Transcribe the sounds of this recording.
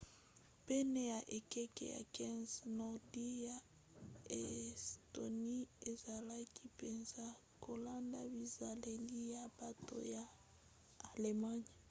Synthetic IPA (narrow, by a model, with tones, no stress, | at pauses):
pɛ˦ne˨ja˨ʔe˨kɛ˦kɛ̰˦ja̰˨kɛ˦nznɔ˨di˦ja˨ | ɛ˨sto˨ni˦e˨za˨la˦ki˦pe˨nza˦ | ko˨la˦nda˦bi˨za˨le˨li˦ja˨ba˨to̰˦jaː˨ | le˨ma˦ɲi˨